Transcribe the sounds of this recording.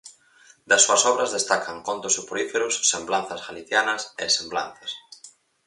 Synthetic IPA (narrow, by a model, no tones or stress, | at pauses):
d̪ɐsːuɐsɔβɾɐzðest̪akʰaŋkont̪ʊsupɾoifeɾʊsːemblanθɐzɣaliθjanɐsḛsembla̰n̟θɐs